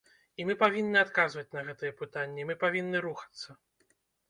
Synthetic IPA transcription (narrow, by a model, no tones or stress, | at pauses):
imɨpavʲinːɨat̪kazvɐt͡sʲnɐɣɛt̪ɐjɛpɨt̪anʲːɛmɨpavʲinːɨɾuxɐ̥t̪sːɐ